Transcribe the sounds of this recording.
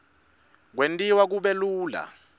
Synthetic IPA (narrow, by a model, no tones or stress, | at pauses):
k̬wentʼiwak̬uɓɛluːla̰